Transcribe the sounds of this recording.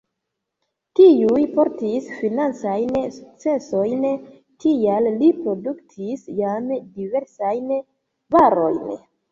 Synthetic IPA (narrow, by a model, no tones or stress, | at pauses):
tiujpo̞ɾtisfinant͡sajnsuk̚t͡se̞so̞jn | tiallipɾo̞duktʰisjamdive̞ɾsajn | vaɾo̞jn